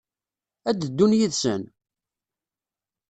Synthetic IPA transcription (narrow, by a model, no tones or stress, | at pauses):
æd̪əd̪ːunjiðsə̰n